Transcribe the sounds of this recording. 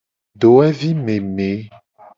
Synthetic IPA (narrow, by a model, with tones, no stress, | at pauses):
ɖo˨ɛ˦vi˦me˨me˨˦